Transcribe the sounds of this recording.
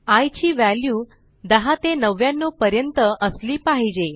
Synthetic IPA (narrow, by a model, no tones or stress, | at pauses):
ajt͡ɕiːʋælju | d̪əɦat̪enəʋjãnːopəɾjənt̪əʔəsliːpaɦid͡ʑe